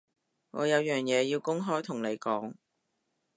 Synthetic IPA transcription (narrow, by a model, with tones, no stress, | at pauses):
ŋɔ̰ː˨˧jɐ˨˧wjœː˨ŋjɛː˨˧jiː˧wkʊ˥ŋɦɔː˥jt̪ʰʊ˨˩ŋne˨˧jkɔː˨˥ŋ